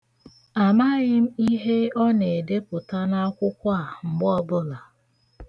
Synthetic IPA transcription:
a˨ma˦ɣɪ˦m̩˦i˦ɦe˦ɔ˦ne˨de˦pʊ˨ta˦na˦kʷʊ˦kʷa˦a˨m̩˨ɡ͡bɔ˦bʊ˦la˨

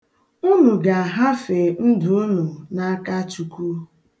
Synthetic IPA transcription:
u˦nu˨ɡa˨a˨ɦa˦fe˨n̩˦du˨u˦nu˨na˦ka˦t͡ʃu˨ku˦

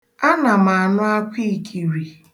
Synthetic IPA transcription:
a˦na˨ma˨nʊ˦a˦kʷi˦˨kʰi˨ɾi˨

